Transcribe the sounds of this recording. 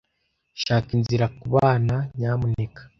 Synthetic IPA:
ʃaːkinziɾakuβaːnaɲaːmune̞kḁ

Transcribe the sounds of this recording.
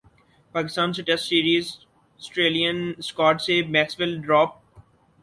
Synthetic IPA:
paːkɪst̪ãːns̬ɪʈɛsʈsiːɾiːz | ɔsʈɾeːlijə̃nskaːʈsemɛːksʋɪlɖɾɔːp̚

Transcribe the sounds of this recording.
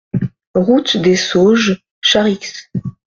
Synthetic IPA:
ʁut̪d̪esoʒ | ʃaʁiks

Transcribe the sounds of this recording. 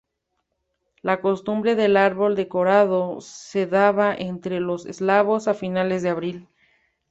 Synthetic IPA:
lako̞st̪umbɾe̞ðe̞laɾβo̞ld̪e̞ko̞ɾaðose̞ðaβaʔent̪ɾe̞lo̞sḛzlaβo̞safinalezðeaβɾil

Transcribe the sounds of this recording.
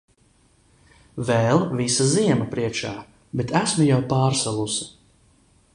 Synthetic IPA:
vɛlˠvisaziɛmɐpɾiɛkʃaː | bet̪ʰæsmujawpaːɾsalˠusḁ

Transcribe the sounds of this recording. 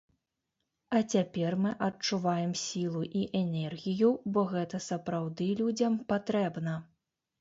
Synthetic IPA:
ɐt͡sʲapʲɛrmɨʔɐt͡ʂːuvajɛmsʲilˠuʔiʔɛnʲɛrɣʲijubɔɣɛt̪ɐsɐpɾawd̪ɨlʲud͡zʲɐmpat̪ɾɛbnɐ

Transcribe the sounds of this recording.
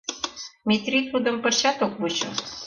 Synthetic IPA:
mʲit̪rʲit̪ud̪ə̆mpə̆rt͡ɕat̪okβut͡ɕŏ̰

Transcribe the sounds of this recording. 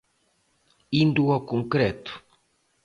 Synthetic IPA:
ind̪uɔkõŋkɾɛt̪u̥

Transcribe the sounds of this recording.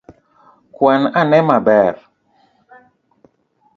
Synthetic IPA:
kwananɛmabɛɾ

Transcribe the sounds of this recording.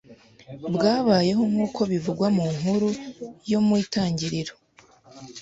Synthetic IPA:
bɡaːβaːje̞ɦo̞mŋuːkʰo̞βivuɡwamuŋ̥huɾujo̞mwiːtaːɲɟiɾiɾo

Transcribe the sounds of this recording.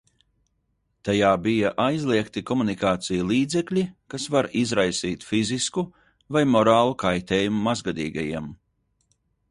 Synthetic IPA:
t̪ajaːbijaʔajzlˠiɛkt̪ikɔmunikaːt̪sijulˠiːd̪zɛklʲikasvaɾizɾajsiːt̪fizisku | vajmɔɾaːlˠukajt̪ʲeːjumumazɡad̪ḭːɡa̰jiɛm

